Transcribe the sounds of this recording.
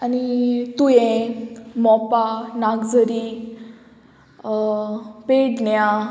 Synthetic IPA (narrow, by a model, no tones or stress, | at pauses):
anit̪ujẽ | mɔpanaɡd͡zəɾi | peɖnja